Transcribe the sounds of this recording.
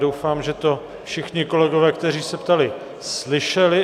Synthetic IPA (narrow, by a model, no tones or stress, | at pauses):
dowfaːmʒɛt̪o̞ | fʃɪxɲɪko̞lɛɡovɛːkt̪ɛriːsɛpt̪alɪ | slɪʃɛlɪ